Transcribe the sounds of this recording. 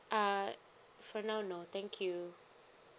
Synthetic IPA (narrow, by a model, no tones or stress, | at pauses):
ʔa | fɔnaʊnot̪ɛ̃ŋkʰju